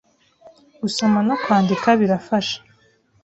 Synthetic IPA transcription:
ɡuso̞manokwaːndikaβiɾafaʃḁ

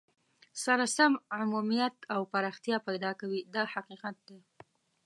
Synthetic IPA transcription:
saɾasamʕʊmumijat̪awpaɾɑxt̪ijɑpajd̪ɑkawid̪ɑhaqiqat̪̚d̪e

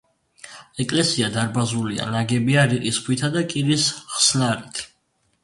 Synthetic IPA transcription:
ɛkʼlɛsiad̪aɾbazulia̰naɡɛbiaɾiqʼisχʰwit̪ʰad̪akʼiɾisχsnaɾit̪ʰ

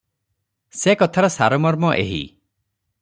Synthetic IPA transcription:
sekɔt̪ʰaɾɔsaɾɔmɔɾmɔʔeɦḭ

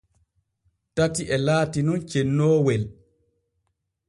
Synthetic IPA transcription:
tatiʔɛlaːtinunt͡ʃenːoːwɛl

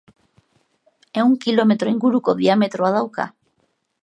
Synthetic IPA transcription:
e̞uŋkilo̞me̞t̪ɾo̞iŋɡuɾuko̞ðiame̞t̪ɾoaðawka̰

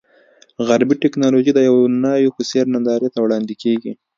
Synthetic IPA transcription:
ɣaɾbiʈɪknɑloʒid̪əjawnɑjoxʊseɾnand̪ɑɾet̪awɽɑnd̪ikeɡi

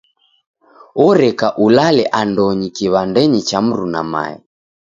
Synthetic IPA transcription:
ɔɾɛkaʔulalɛʔandɔɲikiβandɛɲit͡ʃam̩ɾuna̰ma̰ɛ̰

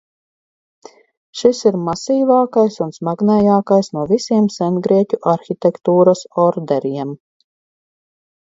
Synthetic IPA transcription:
ʃisiɾmasiːvɑːkajsunsmaɡnɛjaːkajsnuɔvisiɛmsɛnɡɾiɛcʲuʔaɾxʲit̪ʲɛkt̪uːɾɐsɔɾd̪ɛɾiɛm

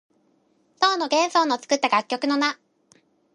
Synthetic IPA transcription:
soːnoɡẽ̞ɰ̃soːnot͡sɨ̥kɯ̟t̪ːaɡakʲːo̞kɯ̟no̞na

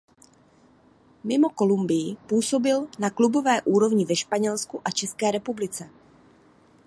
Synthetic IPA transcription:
mɪmo̞ko̞lumbɪjɪpuːso̞bɪlnaklubo̞vɛːʔuːɾo̞vɲɪvɛʃpaɲɛlskuʔat͡ʃɛskɛːɾɛpublɪt͡sɛ

